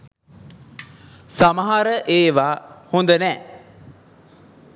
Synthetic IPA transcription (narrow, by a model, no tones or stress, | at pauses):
saməɦaɾəʔeːʋaːhund̪ənɛː